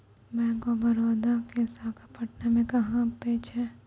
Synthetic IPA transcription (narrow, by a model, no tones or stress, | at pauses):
mɛ̃ːkobɐɾoːd̪akesakapɐʈnemẽkɐɦãpeːt͡ʃɦɛː